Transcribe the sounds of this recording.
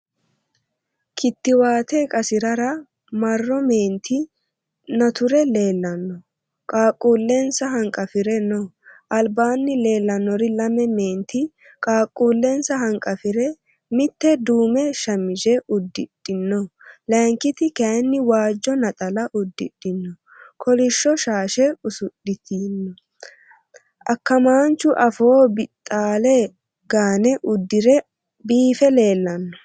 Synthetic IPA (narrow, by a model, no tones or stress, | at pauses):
kʰɪt̪ːɪwaːt̪ekʼɐsɪɾɐɾɐ | mɐrːɔmeːnt̪ʰɪ | nɐt̪ʊɾɛle̞ːlːɐnːɔ | kʼaːkʼːuːlːensɐɦɐŋkʼɐfɪɾɛnɔ | ʔɐlbaːnːɪle̞ːlːɐnːɔɾɪlɐmɛme̞ːnt̪ʰɪ | kʼaːkʼːuːlːensɐɦɐŋkʼɐfɪɾɛ | mɪt̪ːɛd̪uːmɛʃɐmːɪd͡ʒɛʊd̪ːɪɗ̥ːɪnːɔlɛŋkːɪt̪ɪkɐnːɪwaːd͡ʒːɔnɐt̪ʼɐlɐʔʊd̪ːɪɗ̥ɪnːɔ | kʰɔlɪʃːɔʃaːʃɛʊsʊɗɪt̪iːnːɔ | ʔɐkːɐmaːnt͡ʃːʊʔɐfoːbɪt̪ʼːaːlɛ | ɡaːnɛʔʊd̪ːɪɾɛ | biːfɛle̞ːlːɐnːɔ̥